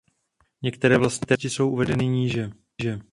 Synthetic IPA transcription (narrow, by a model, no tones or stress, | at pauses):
ɲɛkt̪ɛɾɛːvlast̪ɲit̪ɛcɪso̞wʔuvɛdɛnɪɲiːʒɛ | ʒɛ